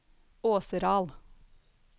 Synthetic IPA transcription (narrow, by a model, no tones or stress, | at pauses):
oːsəɾɑːl